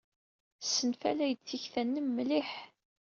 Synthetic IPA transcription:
sːənfæ̰læjət͡sːiçθænːəmːliħ

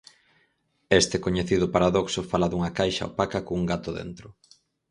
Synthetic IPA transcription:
est̪ekoɲeθiðʊpaɾaðɔksʊfalaðuŋɐkajʃa̰o̰pakakouŋɡat̪ʊðḛnt̪ɾʊ

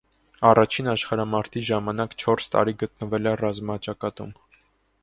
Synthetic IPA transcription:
ɑrɑt͡ʃʰinɑʃχɑɾɑmɑɾt̪ʰiʒɑmɑnɑkt͡ʃʰɔɾst̪ɑ̰ɾiɡət̪̚nəvɛlɛrɑzmɑt͡ʃɑkɑt̪ṵm

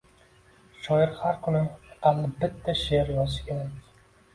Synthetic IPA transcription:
ʃɒjɪɾhaɾkʰʊlɪamnɪbɪt̪ʰːaʃeɾjɒzʃɪ̥kʲʰe̞ɾakʲ

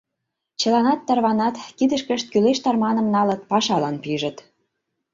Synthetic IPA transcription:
t͡ɕə̆lɑnɑt̪ːɑrβɑnɑt̪kid̪ə̆ʃkə̆ʃt̪̚kyleʃt̪ɑrmɑnɤ̆mnɑlɤ̆t̪pɑʃɑlɑnpiʒə̆t̪

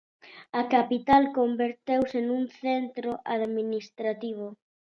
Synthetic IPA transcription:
akapit̪alkombeɾt̪ewsenũnθent̪ɾoʔaðminist̪ɾat̪iβ̞o

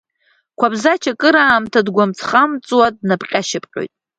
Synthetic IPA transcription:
kʷʰabzat͡ʃʰakʼɨɾaːmtʰadɡʷamt͡sʰχamt͡sʼwadnapqʲʼaʃɪpʰʼqʲʼo̰jtʼ

